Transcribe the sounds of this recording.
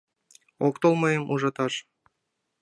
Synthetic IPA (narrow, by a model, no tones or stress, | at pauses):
okt̪olˠmojɤmʔuʒɑt̪ɑʃ